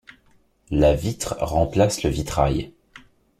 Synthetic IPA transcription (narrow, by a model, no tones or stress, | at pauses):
lavit̪χʁɑ̃plasləvit̪χa̰j